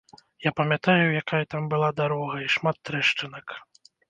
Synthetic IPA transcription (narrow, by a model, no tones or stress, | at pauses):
japɐmʲjat̪ajujakajat̪ambɨlˠad̪aɾɔɣɐiʂmat̪ːɾɛʂt͡ʂɨnɐk